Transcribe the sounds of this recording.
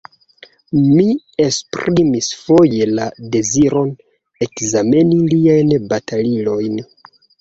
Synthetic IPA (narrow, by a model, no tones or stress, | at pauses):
mi | e̞spɾimisfo̞je̞lade̞ziɾo̞n | e̞kzame̞niliajnbatʰalilo̞jn